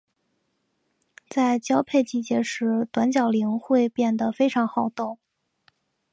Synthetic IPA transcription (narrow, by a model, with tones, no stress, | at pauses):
t͡sa˥˩ɪt͡ɕjɑ˥ʊpʰe˥˧ɪt͡ɕi˥˩t͡ɕjɛ˧˥ʂɻ̩˧˥t̪wa˧˥nt͡ɕjɑ˨˩ʊli˧˥ŋxwe˥˧ɪpjɛ˥˩nd̪ə˩fe˥ɪʈ͡ʂʰɑ˧˥ŋxɑ˥˩ʊt̪o˥˩ʊ